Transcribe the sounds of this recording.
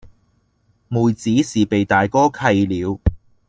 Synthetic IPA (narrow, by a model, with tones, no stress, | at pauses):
muː˨˩jt͡siː˨˥siː˨˩pe˨jt̪aː˨˩jkɔː˥kʰɐ˧jliː˨˧w